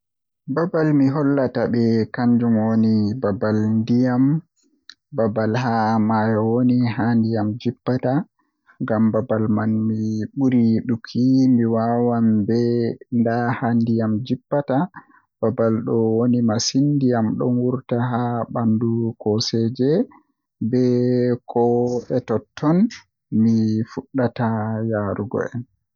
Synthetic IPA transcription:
babalmiɦɔlːataɓɛkaɲd͡ʒumwonibabalndijam | babalɦamajɔwoniɦandijamd͡ʒipːata | ŋɡambabalmanmiɓuɾiɗukʰːimiwawambɛndahandijamd͡ʒipːata | b̥abalɗɔwonimasindijamɗɔ̰nwuɾtaɦabandukɔsɛd͡ʒɛ | bɛkʰɔɛtɔtʰːɔn | mifuɗːatajaɾuɡɔ̰ɛ̰n

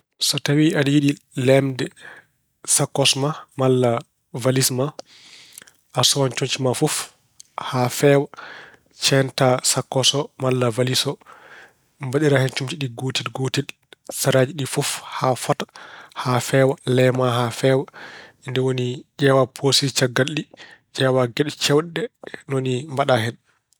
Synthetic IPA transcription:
sɔtawiadijiɗilɛmdɛ | sakːɔsmamalːa | valisma | ʔasɔwant͡ʃoɲt͡ʃimafɔf | hafɛwa | t͡ʃɛntasakːɔsɔmalːavalisɔ | mbaɗiɾahɛnt͡ʃumt͡ʃiɗiɡotidɡotid | saɾad͡ʒiɗifufhafɔtḁhafɛːwalɛmaɦafɛwaindɛwonid͡ʒɛwapʰosit͡ʃaɡːalːid͡ʒɛwaɡɛɗt͡ʃɛwɗːɛnonimbaɗahɛn

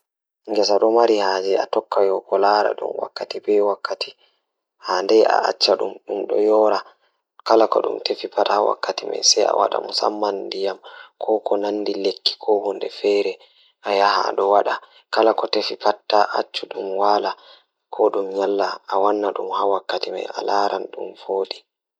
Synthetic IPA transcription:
ŋɡɛs̬aɗɔmaɾihaːd͡ʒɛatɔkːajɔkɔlaːɾa̰ɗṵmwa̰kːatibɛwakːatʰi̥ | handɛʔa̰ʔa̰t͡ʃːaɗumɗumɗɔ̰jɔːɾa | kalakɔ̰ɗṵmtefipatahawa̰kːatima̰jsɛa̰wa̰ɗa̰musa̰mːandijamkʰɔkɔnanːdilekːi̥kʰɔwɔndɛfɛɾɛ | ʔajaha̰ɗɔwaɗa | kalakɔtefipatːaʔat͡ʃːuɗumwaːla | kʰɔɗumɲalːaːwanːaɗumhawakːatima̰ja̰laːɾanɗṵmfoːɗi

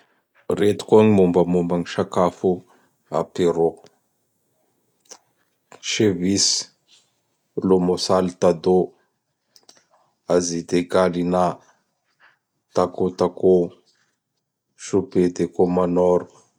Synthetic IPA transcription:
ret̪u̥koŋimumbəmumbaŋiʃakafu | a̰peɾo | ʃevis | lomosalit̪ad̪o | azid̪eɡalina | t̪akot̪ako | ʃuped̪ekomanɔɾu

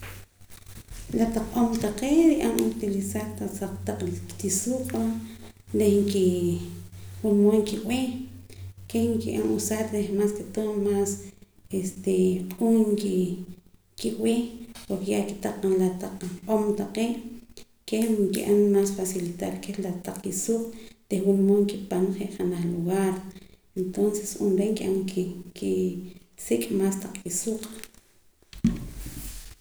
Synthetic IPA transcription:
lat̪aq͡χʔomt̪aqeːʔɾiʔanut̪ilisaɾt̪asaqt̪aq͡χlikt̪isuːqʼaɾehŋki | wunwoŋkiʔweː | kehŋkiʔanʔusaɾɾehmaːsket̪oːmmaːs | est̪eqʼuŋki | kiʔweːpoɾkejaki̥t̪aqalat̪aq͡χaqʼomt̪aqeːʔ | kehŋkḭʔamːaːsfasilit̪aɾkelat̪aq͡χkisuːqʼd̪̥ehwunmoŋkipanχeʔχanaχluɣaɾ | ent̪onsesunɾeŋkiʔamkki | sikʼmaːst̪aq͡χkisuːqʼ

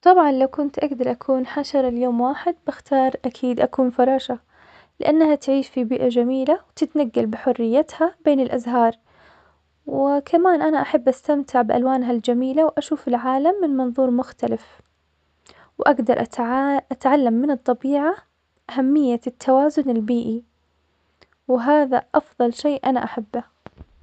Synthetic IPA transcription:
t̪ˤɑbʕɑnlawkʊnt̪ʔaɡd̪ɑɾˤʔakʰuːnħaʃɑɾˤɪljoːmwaːħɪd̪̚bɪxt̪ɑːɾˤʔakʰiːd̪ʔakuːnfɑɾˤɑːʃa | lɪʔanːhat̪ʕiːʃfibiːʔad͡ʒamiːlawt̪ɪt̪naɡːalbɪħʊrːɪjːat̪habeːnɪlʔazɦɑːɾˤ | wɪkʰamaːnʔanaʔaħabːʔast̪amt̪ʰɪʕbɪʔa̰lwaːnɦald͡ʒamiːlawʔaʃuːfɪlʕaːlamːɪnmɑnðˤuːɾˤmʊxt̪alɪf | wʔaɡd̪ɑɾˤʔʔat̪ʕalːamːɪnɨt̪ˤːɑbiːʕa | ʔaɦamːɪjːat̪ʰːawaːzʊnɪlbiːʔi | wɪɦaːðaʔɑfðˤɑlʃeːʔʔanaʔaħabːa

